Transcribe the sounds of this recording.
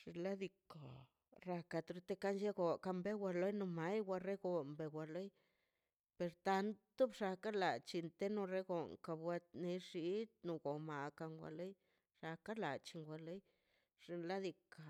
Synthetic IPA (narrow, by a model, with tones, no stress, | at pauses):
ʂi˧la˦d̪i˧ko˨ | ɾa˧ka˧t̪ɾu˧t̪e˦ka˦nʃe˦ɡo˨ka˧mbe˦wʷa˧lo˦jno˧ma˦jwʷa˧ɾe˦ɡo˨mbe˨wa˧lo˦j | pe˧ɾt̪a˧nt̪u˦bʂa˧ka˦la˨t͡ʃi˧nt̪e˦no˧ɾe˦ɡo˨ŋka˧bwa˧t̪ne˧ʂi˧˦t̪nu˧ɡo˨ma˨ka˧ŋɡʷa̰˧lo˦j | ʂa˧ka˦la̰˨t͡ʃi˧ŋɡʷa˧˨lo˦j | ʐ̥i˧la˦d̪i˧ka˨